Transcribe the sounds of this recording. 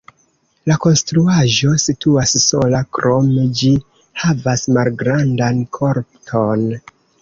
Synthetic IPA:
lako̞nstɾuaʒo̞situasso̞lakɾo̞med͡ʒi | havasmalɡɾandankʰo̞ɾptʰo̞n

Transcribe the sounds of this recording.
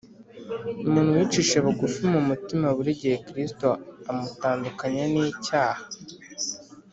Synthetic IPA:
umuːnhuwit͡ʃiʃeβoɡufimumutimaβuɾiɟihekɾistoamutaːndukaɲaniːcaːhḁ

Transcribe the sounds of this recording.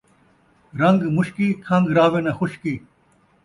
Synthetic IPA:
ɾɐ̃ŋɡmʊɕkikʰɐ̃ŋɡɾaːʋẽːnɐxʊɕkiː

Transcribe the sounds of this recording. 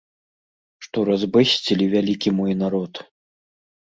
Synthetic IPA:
ʂt̪ɔɾazbɨsʲt͡sʲilʲivʲalʲikʲimɔjnaɾɔt̪

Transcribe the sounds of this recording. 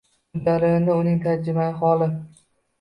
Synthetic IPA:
d̪aɾɪɪnɪʊnɪŋt̪ʰaɾd͡ʒɪmajɪχɒlˠɪ

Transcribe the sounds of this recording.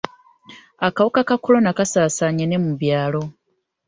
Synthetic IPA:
akawukakakolo̞nakasaːsaɲene̞muβjaːlo̞

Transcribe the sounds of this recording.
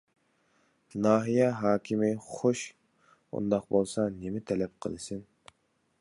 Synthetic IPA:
nɑːɦijɛɦɑːkʲʰimɪχoʃ | ṵnd̪ɑqbolˠsɑnɪmɪt̪ʰɛlɛp̚qʰə̰lˠɨsɨn

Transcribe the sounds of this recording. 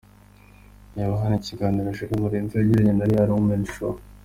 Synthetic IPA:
jaβaɦanaciɡaːniɾaʃikamuɾiːntueɟiɾaɲenaɾihaɾoumenʃo

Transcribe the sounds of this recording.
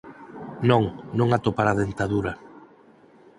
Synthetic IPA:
nõŋnõŋat̪opaɾaðent̪aðuɾɐ

